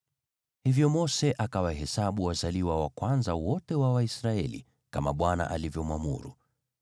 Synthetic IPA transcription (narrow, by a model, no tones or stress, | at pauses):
hivjɔmɔsɛʔakawaɦɛsaɓuwazaliwawa̰kwanzawɔtɛwawaisɾaɛlḭ | kama̰ɓwana̰ʔalivjɔmwamṵɾṵ